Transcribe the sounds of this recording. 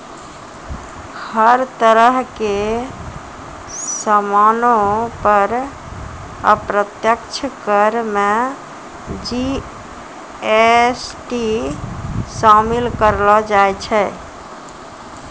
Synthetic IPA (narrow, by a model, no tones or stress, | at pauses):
həɾt̪əɾəɦke | səmanopəɾ | ə̰pɾət̪jəkt͡ʃʰəkəɾme | d͡ʒi | esʈi | samilkəɾlɔd͡ʒajt͡ʃʰɛ